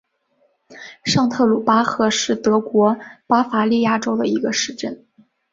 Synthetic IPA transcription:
ʂɑ˥˧ŋt̪ʰɤ˥˩lu˨˩pa˥xɤ˧˥ʂɻ̩˥˩t̪ɤ˧˥kwɔ˧˥pa˥fa˧˥li˥˩ja˥˩ʈ͡ʂo˥ʊd̪ə˨i˧˥ɡə˧ʂɻ̩˥˧ʈ͡ʂə˥˩n

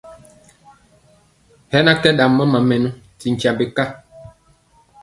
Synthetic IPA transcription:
hɛ˦na˦kɛ˦ɗa˨mːə˦ma˨mɛ˨nu˦ | ti˨ŋ̩˨ca˨be˨ka˦

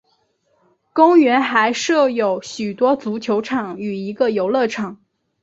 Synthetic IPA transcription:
kʊ˥ŋɥɛ˧˥nxa˧˥ɪʂɤ˥˩jo˨˩ʊɕy˨˩t̪wɔ˥t͡su˧˥t͡ɕʰjo˧˥ʊʈ͡ʂʰɑ˨˩˦ŋy˨˩i˧˥ɡə˧jo˧˥ʊlɤ˥˩ʈ͡ʂʰɑ˨˩˦ŋ

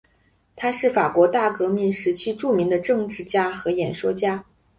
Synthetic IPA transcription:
t̪ʰa˥ʂɻ̩˥˩fa˨˩kwɔ˧˥t̪a˥˩kɤ˧˥mi˧˥nʂɻ̩˧˥t͡ɕʰy˥ʈ͡ʂu˥˩mi˧˥ŋd̪ə˧ʈ͡ʂɤ˥˧ŋʈ͡ʂɻ̩˥˩t͡ɕja˥xɤ˧˥jɛ˨˩nʂwɔ˥t͡ɕja˥

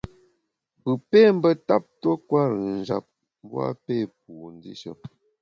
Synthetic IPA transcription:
pɨ˨pe˦˨m̩˦bə˦ta˦p̚twə˦kwa˦ɾə˨n̩˨d͡ʒa̰˨p̚ | m˦bwa̰˦pe˦˨p̚u˨n˦di˦ʃə̰˦

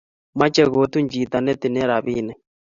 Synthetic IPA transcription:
ma˦t͡ʃɛ˨ɣo˨˦t̪u˦ɲd͡ʒiː˨t̪a˨nɛ˦t̪i˨nɛ˦ɾa˨βiː˦nɛ˦

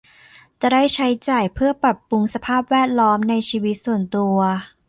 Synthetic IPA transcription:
t͡ɕa˧˩ɾa˥˩jt͡ɕʰa˦˥jt͡ɕaː˨˩jpʰɯ˥˩ɐpɾa˨˩pːu˧ŋsa˧pʰaː˥˩p̚wɛː˥˩t̪̚lɔː˦˥mna˧jt͡ɕʰiː˧wi˦˥t̪̚su˨˩ənt̪u˧ɐ

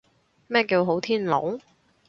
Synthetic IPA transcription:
mɛː˥kiː˧wɦo˨˥wt̪ʰiː˥nlo̰˨˥w

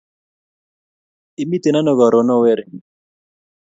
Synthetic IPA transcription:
i˨mi˦t̪e˨na˦nɔ˨ɡɔ˨ɾo˨nɔ˦wɛ˦˨ɾ

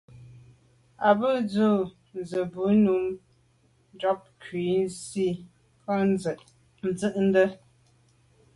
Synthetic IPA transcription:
a˨bɨ˦˨d͡zu˦˨ | n˨zə˨bu˨˦nu˨˦m | dɔ˦p̚kʰɥi˨˦n˦si˦˨ | ka˦˨ʔ | n̩˨˦d͡zɨ˦ʔn̩˦də˦

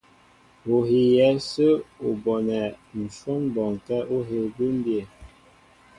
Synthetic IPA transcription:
o˨ɦi˨jɛ˨˦sə˦o˨bɔ˨nɛ˨n̩˨fo˦ŋbɔ˨ŋ˨kɛ˦ʔo˦ɦe˨bi˦m˦bje˨

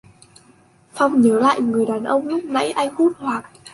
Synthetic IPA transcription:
fa˧wŋ͡mɲəː˨˦la̰ː˧˨jŋɨ˨˩əjɗaː˨˩nʔə˧wŋ͡mɲʊ˦˥k͡p̚na̰˧˥jʔa˧jŋ̟hu˦˥t̚hwaː˨˩k̚

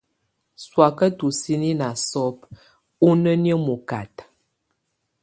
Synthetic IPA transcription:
swa˨kə˦tu˨si˦ni˦na˨sɔ˦p̚ | u˦nə˦njə˦mu˨ka˨t

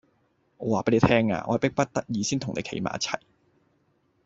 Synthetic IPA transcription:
ŋɔː˨˧waː˨˩pe˨˥jle˨˧t̪ʰɛː˥ŋa̰ː˧ʔɔ̰ː˧˨˩pɪ˥k̚pɐ˥t̚t̪ɐ˥k̚jiː˨˧siː˥nt̪ʊ˨˩nḛ˨˧kʰḛ˨˧˥jma̰ː˨˦ɐ˥t͡sʰɐ̰˨˩j

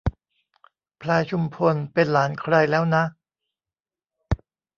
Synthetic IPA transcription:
pʰlaː˧jt͡ɕʰu˧mpʰo˧npe˧nlaː˩˦nkʰɾa˧jlɛː˦˥wna˦˥ʔ

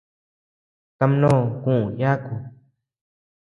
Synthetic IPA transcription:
t̪a˧m˦nõː˦˨kũ˦˨ʔja˦ku˧˨

